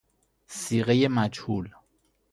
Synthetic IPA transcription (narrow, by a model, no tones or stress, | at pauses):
siːɣejemæd͡ʒhuːl